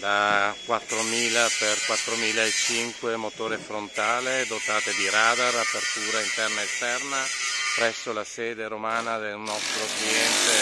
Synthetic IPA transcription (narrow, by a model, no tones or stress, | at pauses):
d̪akwat̪ːɾomiːlaperkwat̪ːɾomiːlaet͡ʃiŋkwemot̪oːɾefɾont̪aːled̪ot̪aːt̪ed̪iɾaːd̪arapert̪uːɾaint̪ɛrnaest̪ɛrnapɾɛsːolasɛːd̪eɾomaːnad̪elnɔst̪ɾokliɛnt̪e